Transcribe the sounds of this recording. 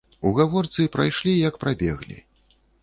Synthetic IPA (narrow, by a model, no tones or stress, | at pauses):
uɣavɔrt̪sɨpɾa̰jʂlʲijɐkpɾabʲɛ̰ɣlʲḭ